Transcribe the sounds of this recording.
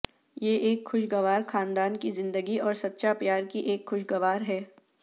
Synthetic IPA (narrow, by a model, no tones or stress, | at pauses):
jeʔeːkxʊʃɡɐʋaːɾxaːnd̪aːnkizɪ̃nd̪əɡiɔːɾsɐt̪ːʃapjaːɾkiʔeːkxʊʃɡɐʋaːɾɦɛː